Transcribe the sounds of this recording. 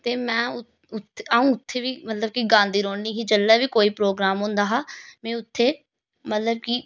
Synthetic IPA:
t̪eːmɛ̃ːʊ | ʊt̪aːũːʊt̪ʰːeːʋiːmət̪ləb̚kiɡãːnd̪iːɾoːɳniːɦiːd͡ʒəlːɛːʋiːkoːiːpɾoːɡɾaːmɦʊ̃nd̪aːɦaːmɛ̃ːʊt̪ʰːeː | mət̪ləb̚ki

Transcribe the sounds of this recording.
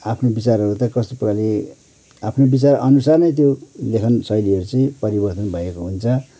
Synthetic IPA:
apʰnobit͡sarɦʌɾut̪ʌkʌst̪opʌkali | apʰnobit͡sarʌ̰nusarnʌjt̪̬jolekʰʌnsʌjliɦʌɾut͡sʌĩpʌɾibʌrt̪ʌnbʱʌjekoɦunt͡sʰʌ

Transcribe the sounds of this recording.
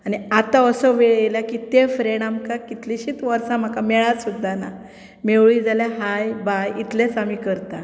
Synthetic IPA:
añiat̪aəsəʋeɭejljakit̪efɾeɳamkakit̪liɕiːt̪ʋəɾsãm̤akameɭasud̪ʱːana | meʋɭid͡zaljaɦajbajit̪let͡samikəɾt̪a

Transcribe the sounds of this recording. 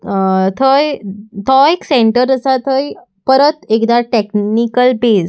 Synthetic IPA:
t̪ʰəjt̪ʰɔekseɳʈəɾəsat̪ʰəj | pəɾət̪ekd̪aʈeknikəlbes

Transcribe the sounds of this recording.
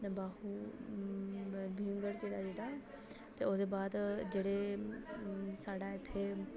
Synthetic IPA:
nbaːɦu | bʱĩŋɡəɽkeːɽad͡ʒeːɽa | t̪eod̪ebaːd̪d͡ʒeːɽe | saːɽaɪt̪ʰːe

